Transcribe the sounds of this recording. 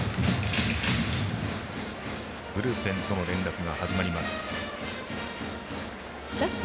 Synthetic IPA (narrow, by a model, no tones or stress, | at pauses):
ɡ̥ɯ̟ɾɯːpẽ̞nt̪o̞no̞ɾẽ̞nɾakɯ̟ɡahaʑimaɾʲimasɨ̥ | d̪a